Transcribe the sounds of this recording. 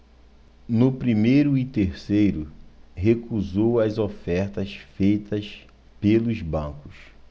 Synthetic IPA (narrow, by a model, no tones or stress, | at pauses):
nʊpɾimejɾʊit̪eɾsejɾʊɦekuzowɐzofɛɾt̪ɐsfejt̪ɐs | pelʊzbɐ̃kʊs